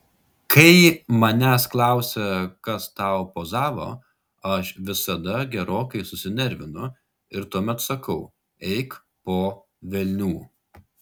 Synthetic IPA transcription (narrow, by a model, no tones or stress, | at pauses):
kʰɐɪmɐnʲæsklˠɑˑʊsʲɛkɐst̪ɑˑʊpoːzɑːʋo̰ː | ɐʃʋʲɪsɐd̪ɐɡʲɛɾoːkɐɪsʊsʲɪnʲɛɾʲʋʲɪnʊ | ɪɾt̪uɔmʲɛt̪sɐkɐʊ | ɛɪk | poː | ʋʲɛlʲnʲuː